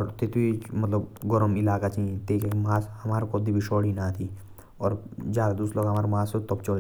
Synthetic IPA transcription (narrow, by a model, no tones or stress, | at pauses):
ɔɾt̪et̪ʰbimət̪ləbɡɔɾəmɪlaːkat͡ʃit̪eːkemaːsɦɐmaːɾkod̪ibʱiʃɔːɽinat̪ʰi | ɔːɾd͡ʒaːd̪ad̪uːsloːɡɦɐmaːɾmãːset̪ɔbt͡ʃol